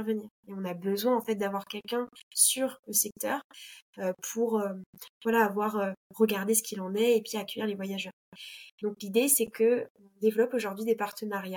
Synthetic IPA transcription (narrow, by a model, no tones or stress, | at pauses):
ɛʁvəniːʁeɔ̃nabəzwɛ̃ɑ̃fɛt̪̚d̪avwaʁkʲɛlkɛ̃syʁləsɛk̚t̪œːʁøpʰuʁøvwalaːvwaʁøʁəɡaʁd̪esə̥kʲilɑ̃nɛepɥiakʲɥiʁlevwajaʒœːʁd̪ɔ̃klid̪esɛkʰəɔ̃d̪evlɔpoʒuʁd̪ɥid̪epaʁt̪ənaʁja